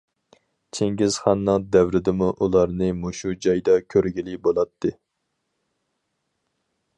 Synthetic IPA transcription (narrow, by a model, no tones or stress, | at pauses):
t͡ʃʰeŋɡʲɪz̥χɑnːɨŋd̪æwɾɪd̪ɪmuʔulˠɑɾnɨmoʃud͡ʒɑjd̪ɑkʲʰøɾɡʲilɪbolˠɑt̪ʰːɨ